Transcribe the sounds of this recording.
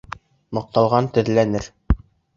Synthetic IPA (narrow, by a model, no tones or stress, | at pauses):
mɤ̆q̚t̪ɑlˠʁɑnt̪ɵ̆ðlænɘɾ